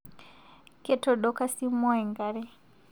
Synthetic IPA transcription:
kɛ˦tɔ˨ɗɔ˦ka˦si˦mɔ˦ɛ˨ŋɡa˨ɾɛ˦

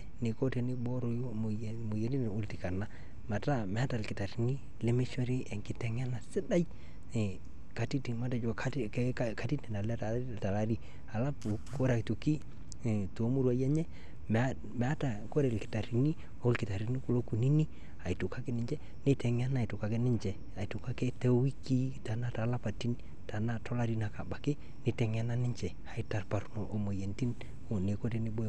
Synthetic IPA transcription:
nɪ˨ko˦te˨nɪ˦bɔ˦ɾo˨˦jm˨mo˨je˨˦ni˦n˨o˦lti˨ka˨na˦ | ma˨ta˦mɛ˨a˦ta˨lkɪ˨ta˨ɾi˨ni˦ | le˦me˦t͡ʃwɛ˦ɾi˦ɛ˨ŋkɪ˦tɛ˨ŋ˦a˦na˨sɪ˦da˦j | ka˨ti˦ti˨ma˦ta˨t͡ʃo˨kaka˨˦ti˦tni˨na˨lɛ˦ta˨ | ta˨la˦ɾi˦ | a˨la˦pu˨ko˦ɾa˨ktu˨ki˦˨ | to˨˦mu˦ɾwa˨jɛ˦ɲɛ˦ | m | mɛ˨a˦ta˨ko˦ɾe˨lkɪ̥˨ta˨ɾi˨ni˦ | o˦lkɪ˨ta˨ɾi˦ni˦ku˦lo˦ku˨ni˦ni˦ | a˨i˨tʊ˨ka˦ke˦nɪ˨˦ɲd͡ʒɛ˦ | ne˦tɛ˨ŋ˦a˦na˨i˨tʊ˨ka˨ke˦nɪ˦ɲt͡ʃɛ˨ | a˨i˨tʊ˨ka˦ke˦tɛ˦wi˦ki˦ta˨na˦ta˨˦la˦pa˨ti˦ni | ta˨na˦tɔ˦la˦ɾi˦na˨ka˨ba˨kɪ˦ | ne˨tɛ˨ŋ˦a˦na˦nɪ˦ɲt͡ʃɛ˨ | a˨ɪ˦ta˨rpa˨ɾno˨ʔo˨mo˨je˨nti˦n | o˨ne˨ko˦te˦nɪ˦bo˦

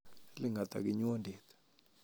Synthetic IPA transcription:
li˦ŋɡa˨t̪a̰˨ki˨ɲ˦ɔ˦nde˨t̪ḁ

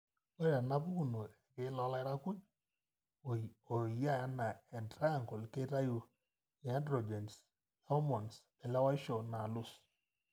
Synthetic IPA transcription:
o˦a˨na˦bu˦ku˦˨no˨ɛ˨ke˦lɔ˦la˦ɪ˦ɾa˦ku˦ɲ | o˨ja˦ja˦na˨ɛ˨ndɾa˦ja˨ŋkɔ˨lke˦ta˦ju˦˨ | a˦ndɾo˨d͡ʒɛ˨ns | a˦ɔ˦mɔ˨n˨s | ɛ˨la˦wa˦i˦ʃɔ˨na˨lu˦˨s

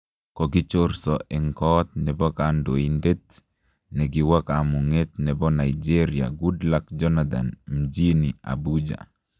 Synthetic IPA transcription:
kɔ˨ɡɪ˦t͡ʃoɾsɔɛ˨ŋkɔt̪̚nɛ˨bɔ˦kando˨inde˦t̪ | nɛɡɪwa˦ka˨mu˨ŋe˦t̚nɛ˨bɔ˦na˨id͡ʒe˦ɾia̰˨ɡudlakd͡ʒɔ˦nad̪a̰˨nm̩d͡ʒi˦ni˨a̰bud͡ʒa̰˨

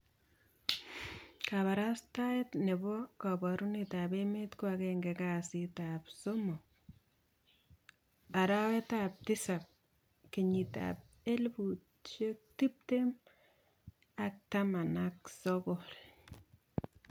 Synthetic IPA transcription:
kaβa˨ɾa˦staetne˨bɔ˦kabɔɾu˦ni˨ta˨be˦metkwakeŋɡe˨kasi˦tapso˦mo˨ | a˨ɾa˦we˦tap̚tɪ˦sa˨p̚ | ki˨ɲi˨ta̰p̚ | e˦lbu˨t | t͡ʃe˦k̚ti˦p̚te˦m | a˦k̚tama˨nak̚sɔkol

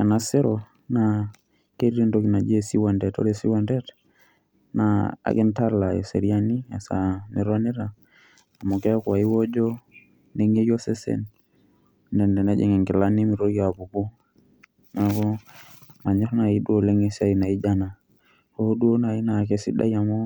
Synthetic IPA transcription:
a˨na˨sɛ˦ɾɔ | na | ke˦ɾɾi˦ndoki˨na˨d͡ʒe˦si˦wa˨ndɛ˨tɔ̰˦ɾɛsi˦wa˦ndɛ˦t | naa̰˨kɛ˦nta˦la˨ɛ˨sɛ̰˨ɾia˦ni˦a̰˨sa̰mi˨ɾa˦ni˦ɾaː˨ | mu˨kɛ˦kwa˨i˦wɔ˦d͡ʒɔ˦ | nɛ˦ŋe˦jɔ˦sɛ˦sɛ̰n | ndɛ˨ndɛ˨na˦d͡ʒɛ̰˨ŋɛ˨ŋɡɛ˨la˦ni˦mi˨ɾo˦i˦a˨bu˨bɔ˦ | na˨kɔ˦ | na˨ɲɛ˦ɾɔ˦na˨i˦ɗu˦o˨lɛ˦ŋɛ˦sa˦i˨na˨i˦d͡ʒa˦na˨ | kodu˦o˦na˨i˦na˨ke˦sḭ˦ɗa̰˦ja˨mo˦

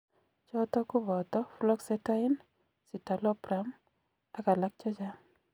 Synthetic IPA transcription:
t͡ʃɔ˦tɔ˦ku˦bɔ˨tɔ˦flɔ˦ksɛta˦ɪ˦n | si˨ta˨lɔ˦pɾam | a˨ka˨la˦k̚t͡ʃɔ˦t͡ʃa˦

